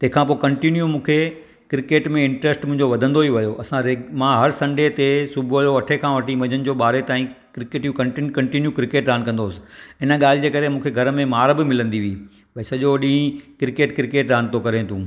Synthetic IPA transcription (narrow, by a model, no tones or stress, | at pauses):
t̪ɐ̃ɦɪ̃kʰãːp̬oːkɐ̃ɳʈinjũmũːkʰe | kɪɾɪkeːʈmẽɪ̃ɳʈɾesʈmʊ̃ɦɪ̃ɲd͡ʑoʋɐd̪ʱə̃nd̪oiʋɐjoʔɐsãɾemãːɦɐɾsɐ̃ɳɖet̪esubʱojoɐʈʰekʰãːʋɐʈʰimɐ̃ɲənɪ̆d͡ʑoːɓaːɾet̪aːĩkɾɪkeːʈjũkɐɳʈikɐ̃ɳʈinjukɾɪkeːʈɾaːnkɐ̃nd̪oːsɪ̥̆ɪnəɠaːl̤ɪd͡ʑeːkɐɾemũːkʰeɡʱɐɾmẽmaːɾbɪmɪlə̃nd̪iʋiː | bɐɪsɐʄoɗĩːkɪɾɪkeːʈkɪɾɪkeːʈɾaːnt̪okɐɾẽt̪ʰũː